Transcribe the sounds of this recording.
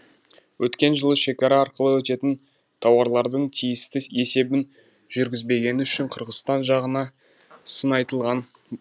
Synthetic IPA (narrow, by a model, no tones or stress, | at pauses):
wʔɵt̪kʲe̞nʒəlˠəʃe̞kɑɾɑːɾqəlˠəwɵt̪e̞t̪ɪn | t̪ʰɑwɑɾlˠɑɾd̪əɴt̪ʰijɪst̪ɪe̞se̞bɪn | ʒʏɾɡʲɪzbe̞ɡʲe̞nɪʏʃɪɴqʰəɾʁəsst̪ɑnʒɑʁənɑ | sənɑjt̪əlˠʁɑn